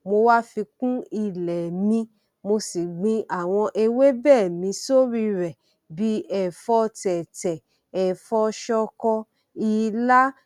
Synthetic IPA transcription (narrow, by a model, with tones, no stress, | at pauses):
mo˧wa˦fi˧kũ˦i˦˨lɛ˨mĩ˧ | mo˧si˨ɡ͡bĩ˧ʔa˨w̃ɔ̃˧ʔe˧we˦bɛː˦˨mĩ˧so˦ɾi˧ɾɛ˨ | bi˦ɛ˨fɔ˧tɛ˨tɛ˨ | ɛ˨fɔ˧ʃɔ˧kɔ˧ | i˧la˦